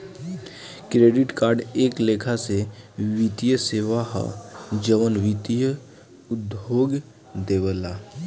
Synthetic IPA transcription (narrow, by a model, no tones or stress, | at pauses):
kɾeːɖɪʈkaːɾɖeːkleːkʰaseʋit̪ijəseːʋaɦd͡ʒəʋənʋit̪ijə | ʊd̪oːɡ | d̪eːwəlaː